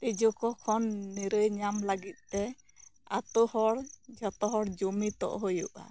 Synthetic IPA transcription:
t̪id͡ʒukɔkʰɔnːiɾəjɲamləɡit̪̚ˀt̪ɛ | at̪ɔhɔɽd͡ʒɔt̪ɔɦɔɽd͡ʒumit̪ɔ̰ʔɦojuʔa̰

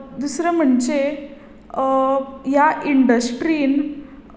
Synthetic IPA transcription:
d̪usɾəm̤əɳd͡ze | jaʔiɳɖəsʈɾiːn

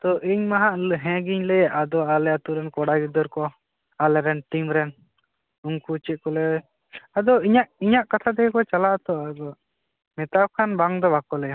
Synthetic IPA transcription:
t̪ɔʔiɲmaɦaʔɦɛ̃ɡiɲlɛjaʔad̪ɔalɛat̪uɾɛnkɔɽaɡid̪ɔɾkɔ | alɛɾɛnʈimɾɛn | uŋkut͡ʃit̪̚kɔlɛ | ad̪ɔiɲaʔiɲaʔkat̪ʰad̪ɛkɛkɔt͡ʃalaʔt̪ɔd̪ɔ | mɛt̪ab̚kʰanbaŋd̪ɔbakɔlɛja

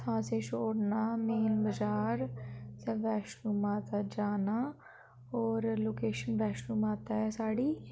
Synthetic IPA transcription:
ãːset͡ʃʰoːɽnameːlbəd͡ʒaːɾseʋɛːʃɾuːmaːt̪ad͡ʒaːna | ɔːɾloːkeːʃənʋɛːʃɾuːmaːt̪aɦɛsaːɽiː

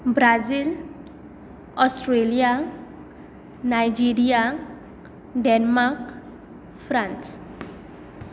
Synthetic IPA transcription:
bɾazil | ɔsʈɾelia | najd͡ʒiɾia | ɖɛnmak | fɾãns

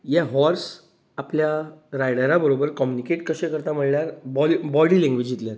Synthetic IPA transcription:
jaɦɔɾs | apljaɾajɽəɾabəɾobəɾkɔmjunikeʈkəɕẽkəɾt̪am̤əɭljaɾbɔlibɔɽiːlẽŋɡʋed͡ʑit̪ljaɾ

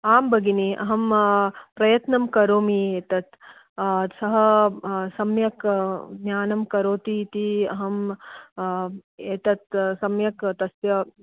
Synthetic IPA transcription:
aːmbɐɡiniʔɐ̰ɦɐmpɾɐjɐt̪nɐmkɐɾoːmieːt̪ɐt̪ | sɐɦɐsɐmjɐkɡnjaːnɐmkɐɾoːt̪iːt̪iɐɦɐm | eːt̪ɐt̪sɐmjɐkt̪ɐsjɐ

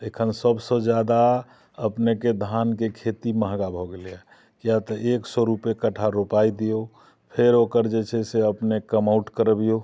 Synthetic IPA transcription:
ekʰənsəbsə̃d͡ʒjad̪a | əpneked̪ʱankekʰet̪iməɦɡabʱɔɡeliɛ | kijat̪əʔeksɔɾupekəʈʰaɾopaid̪ijo | pʰeɾokəɾd͡ʒet͡ʃʰɛseəpnekəmauʈkəɾbijo

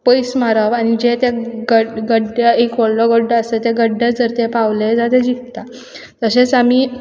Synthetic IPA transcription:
pəjsmaɾəʋañid͡ʑet̪eɡəɡəɖəekʋəɭlɔɡəɖːəəset̪eɡəɖːad͡zəɾt̪epaʋled͡zat̪ed͡ʑik̚t̪a | t̪əset͡sam̤iː

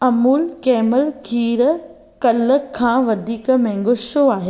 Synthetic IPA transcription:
ɐmuːlkɛːməlkʰiːɾ | kɐləkʰːãːʋɐd̪ʱiːk̆mɛ̃ŋ̆ɡoʃoaːɦe

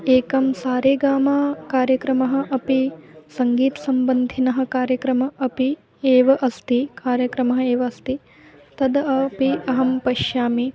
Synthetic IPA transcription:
eːkɐmsaːɾeːɡaːmaːkaːɾjɐkɾɐmɐɦɐ̆ʔɐpisɐŋɡiːt̪ɐsɐmbɐnd̪ʱinɐɦɐ̆kaːɾjɐkɾɐmɐʔɐpi | eːʋɐʔɐst̪ikaːɾjɐkɾɐmɐɦɐ̆eːʋɐːst̪i | t̪ɐd̪ɐɐpiɐɦɐmpɐʃjaːmi

